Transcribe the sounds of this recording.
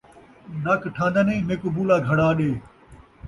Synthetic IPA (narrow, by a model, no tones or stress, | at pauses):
nɐkʈʰãːnd̪ənẽːmekʊbuːlaːɡʱɐɽaːɗeː